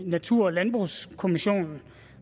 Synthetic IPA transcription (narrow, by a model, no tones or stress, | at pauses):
næt͡sʰuɐ̰ɒlænb̥ʁuskʰo̝miɕo̝̰ːnn̩